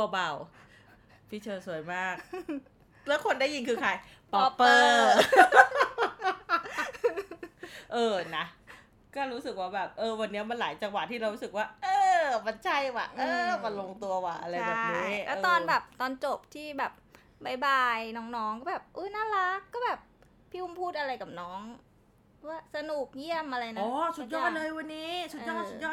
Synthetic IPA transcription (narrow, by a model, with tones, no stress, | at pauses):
t̪u˧ɐba˨˩w | pʰiː˥˩t͡ɕʰɤː˧su˨˩əjmaː˥˩k̚ | lɛ˦˥kʰo˧ndaː˥˩ji˧nkʰɯː˧kʰa˧j | pɔ˦pːɤː˧˩ | ʔɤː˧˩na˦˥ | kɔː˥˩ɾuː˦˥sɯ˨˩k̚waː˥˩bɛː˨˩p̚ʔɤː˧wa˧nːi˦˥ɐma˧nlaː˩˦jt͡ɕa˧ŋwa˨t̪ʰːiː˥˩ɾa˧wɾu˦˥sɯ˨˩k̚waː˥˩ʔɤː˧ma˧nt͡ɕʰa˥˩jwa̰˨˩ʔɤː˧ma˧nlo˧ŋt̪u˧ɐwaː˨˩ʔʔa˧ɾa˧jabɛː˨˩p̚niː˦˥ʔɛː˦˥˧t̪ɔː˧nbɛː˨˩p̚t̪ɔː˧nt͡ɕo˨˩p̚t̪ʰiː˥˩bɛː˨˩p̚ | ba˧˩jbaː˧jnɔː˦˥ŋnɔː˦˥ŋkɔː˥˩bɛː˨˩p̚ʔɤː˦˥naː˥˩la˦˥kːɔː˥˩bɛː˨˩p̚ | pʰːiː˥˩ʔu˧mpʰuː˥˩t̪̚ʔa˧ɾa˧jkaː˨˩p̚nɔː˦˥ŋ | aː˦˥˩sa˧nuː˨˩k̚ji˥˩əmʔa˧ɾa˧jnaɔː˨˧˦sʰu˨˩˦t̪̚jɔː˥˩t̪̚lɤː˧jwa˧nːiː˦˥sʰuː˨˩jɔː˥˩u˨˩jɔː˥˩